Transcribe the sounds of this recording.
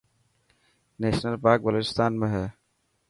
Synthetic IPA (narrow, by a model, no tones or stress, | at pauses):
neːʃnəlpaːɾk̚bəloːt͡ʃɪ̥st̪ʰaːnmẽɦɛː